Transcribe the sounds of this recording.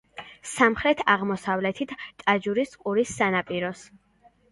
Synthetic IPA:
samχɾɛt̪ʰaʁmɔsavlɛt̪ʰit̪ʰt̪ʼad͡ʒuɾisqʼuɾisːanapʼiɾɔs

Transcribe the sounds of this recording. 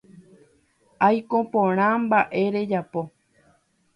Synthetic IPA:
ajkõpõɾ̃ãmbaʔe̞ɾe̞d͡ʒapo̞

